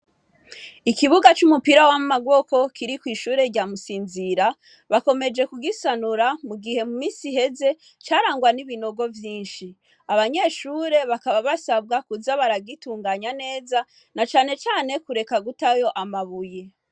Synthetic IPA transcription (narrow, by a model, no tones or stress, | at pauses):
ikiβuɡat͡ʃumupiɾawamumaɡwo̞ko̞kʰiɾikwiːʃuːɾe̞ɾɟaːmusiːnziɾa | βako̞me̞d͡ʒe̞kuɡisanuɾamuɡihe̞mumiːsiɦe̞ze̞ | t͡ʃaːɾaːŋɡwaniβino̞ɡo̞vjiːnʃi | aβaɲe̞ːʃuːɾe̞βakaβaβasab̚ɡakuzaβaɾaɡituːŋɡaɲane̞ːza | nat͡ʃaːne̞t͡ʃaːne̞kuɾe̞kaɡutajo̞ʔamaβuje